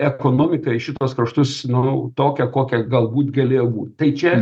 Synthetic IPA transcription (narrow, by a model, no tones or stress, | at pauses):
ɛkoːnoːmʲɪkɐɪʃʲɪt̪uɔskɾɐʃt̪ʊsnʊt̪oːkʲɛkoːkʲɛɡɐlˠbuːt̪ɡɐlʲeːjoːbuːt̪t̪ɐɪt͡ʃʲɛ